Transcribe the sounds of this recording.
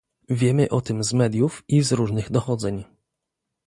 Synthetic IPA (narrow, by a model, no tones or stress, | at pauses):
vʲjɛmɘʔɔt̪ɘmzmɛd̪ʲjufizɾuʐnɘɣd̪ɔxɔd̪zɛɲ